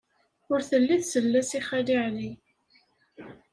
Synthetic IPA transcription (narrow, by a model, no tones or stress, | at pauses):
ʊɾθəlːiθsəlːæsiχæliʕli